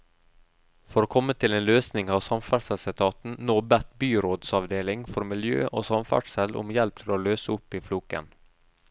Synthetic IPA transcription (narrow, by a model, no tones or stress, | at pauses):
fɔɾoːkʰɔmːət̪ʰɪleːnløːsnɪŋɑːʋsɑmfæːɖsɛlsɪt̪ʰɑːt̪n̩noːbɛt̪byːɾoːd̪sɑʋd̪eːlɪŋfɔɾmɪljø̰ːʔo̰ːsɑmfæ̰ɖsɛlʔʊ̰mjɛlp̚t̪ʰɪloːløːsəʊpːiːfluːkə̰n